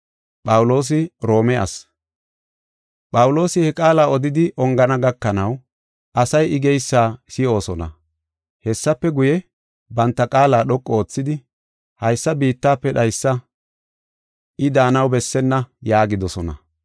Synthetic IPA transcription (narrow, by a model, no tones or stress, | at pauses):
pʼɐwʊlo̞ːs̬ɪɾo̞ːmɛʔɐ̰s | pʼɐwʊlo̞ːsɪhɛkʼaːlaːɔd̪ɪd̪ɪʔɔŋɡɐnɐɡɐkːɐnɐw | ʔɐsɐjɪɡɛjsːaːsɪo̞ːsɔnɐ̰ | hɛsːɐpːɛɡʊjɛ | bɐnt̪ːɐkʼaːlaːɗɔkʼːɔoːt͡sːɪd̪ɪ | hɐjsːɐbiːt̪ːaːpːɛɗɐjsːɐ | ʔɪd̪aːnɐwbɛsːɛnːɐjaːɡɪd̪ɔsɔnɐ̰